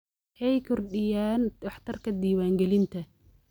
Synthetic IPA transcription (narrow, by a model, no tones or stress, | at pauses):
hɛjkʰʊrɗɪjaːnɑħt̪ʰɐrkʰɐd̪iːwaːŋɡɛlɪnt̪ʰɐ